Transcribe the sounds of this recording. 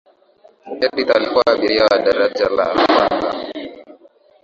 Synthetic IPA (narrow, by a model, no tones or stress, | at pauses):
ɛditalikuwaːɓiɾijawaɗaɾad͡ʒala̰ka̰nɡa̰